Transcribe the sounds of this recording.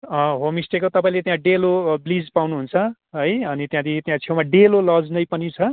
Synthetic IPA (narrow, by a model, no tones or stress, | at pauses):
ʌ̃ɦomisʈekot̪ʌpãĩlet̪jãɖeloblid͡zpawnuɦunt͡sʰʌ | ɦʌjʌnit̪jãd̪it̪jãt͡sʰewmaɖelolʌd͡znʌjpʌnĩt͡sʰʌ